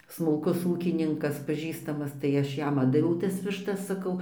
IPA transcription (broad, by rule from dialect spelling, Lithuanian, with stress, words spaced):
smʊlˠˈkʊs ˈuːkʲɪnʲɪŋkɐs pɐˈʒʲiːstɐmɐs tɐɪ ˈɐʃ ˈjɛm ˈɑːddɐʋʲɛʊ tɐs ʋʲɪʃˈtɐs sɐˈkɐʊ